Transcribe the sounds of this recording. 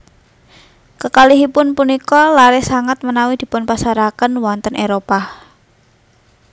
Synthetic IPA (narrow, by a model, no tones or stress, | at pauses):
kəkaliɦipʊnpunikɔlaɾesaŋat̪̚mənawid̪̥i̤pʊnpasaɾakənwɔnt̪ənʔeɾopa